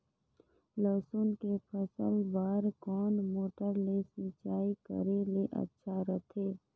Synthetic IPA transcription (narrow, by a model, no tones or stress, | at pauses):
ləːsunkepʰəsəlbaːɾkɔːnmoːʈəɾlesɪt͡ʃaːikə̰ɾeleʔə̰tːʃʰaɾət̪ʰeː